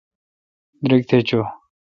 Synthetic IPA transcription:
d̪ɾik̚t̪ʰet͡ɕo

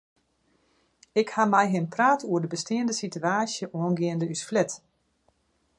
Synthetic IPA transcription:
ɪkhamɛjɦɪnpraːtuərdəbəstɪəndəsityaːsjəʔoənɡɪəndəysflɛt

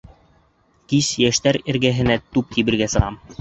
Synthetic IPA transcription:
kisjæʃt̪æɾɘ̆ɾɡæɦɘ̆næt̪ʉp̚t̪iβɘ̆ɾɡæsɤ̆ʁɑm

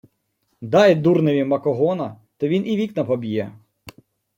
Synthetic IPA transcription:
d̪ɑjd̪urneʋʲimɐkɔɦɔnɐ | t̪ɔʋʲinʔiʋʲiknɐpɔbʲijɛ

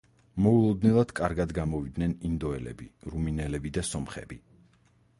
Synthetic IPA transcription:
mɔulˠɔd̪nɛlˠad̪̥kʼaɾɡad̪ɡamɔvid̪nɛnind̪ɔɛlɛ̰biɾuminɛlɛbid̪asɔmχɛ̰bi

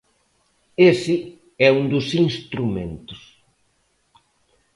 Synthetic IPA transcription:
esɪ | ɛund̪ʊsinst̪ɾumḛ̃nt̪ʊs

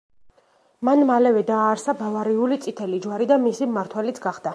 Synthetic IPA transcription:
manmalɛvɛd̪aːɾsabavaɾiulit̪sʼit̪ʰɛlid͡ʒwaɾid̪amisimaɾt̪ʰwɛlit̪sʰɡaχd̪a

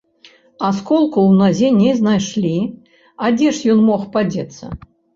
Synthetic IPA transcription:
askɔlˠkuwnazʲɛnʲɛjznajʂlʲi | ad͡zʲɛʂjɔnmɔxpad͡zʲɛt̪sːɐ̰

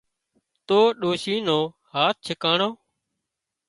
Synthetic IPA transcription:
t̪oːɗoːʃiːnõː | haːt̪̚t͡ʃʰəkaːɳoː

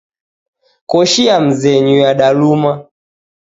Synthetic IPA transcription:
kɔʃiam̩zɛɲujaɗaluma

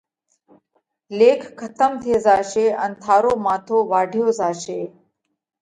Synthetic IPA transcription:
lekʰkʰːət̪əmt̪ʰed͡zaɕea̰nt̪ʰaːɾomat̪ʰoʋaɽʱjod͡zaɕe

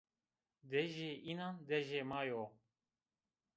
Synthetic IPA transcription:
d̪ɛʒeʔinand̪ɛʒemajo

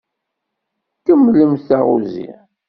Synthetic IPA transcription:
kəmːləmθæʁṵzḭ

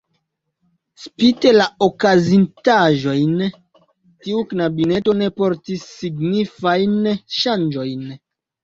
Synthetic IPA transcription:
spite̞laokazintaʒo̞jn | tiuknabine̞to̞ne̞po̞ɾtisːiɡnifajnʃand͡ʒo̞jn

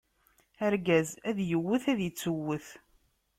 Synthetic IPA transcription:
æɾɡæzæðjəwːəθæðjət͡sːəwːəθ

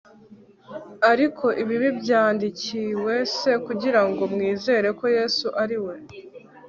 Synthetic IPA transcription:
aɾikʰo̞ʔiβiβibjaːndiciwe̞se̞kuɟiɾaŋɡo̞mŋiːze̞ːɾe̞ko̞je̞ːsuʔaɾiwe̞

